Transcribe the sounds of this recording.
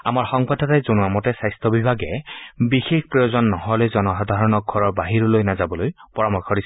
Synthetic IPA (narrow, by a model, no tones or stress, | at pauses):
a̰maɹxɔŋbadʱatajzonuamɔtɛsajstʰɔbibʱaɡɛbixexpɹijozɔnːɔɦɔlojzɔnɔxɔdʱaɹɔnɔk̚ɡʱɔɹɔɹbaɦiɹʊlojnazabɔlojpɔɹamɔkʰɔɹisɛ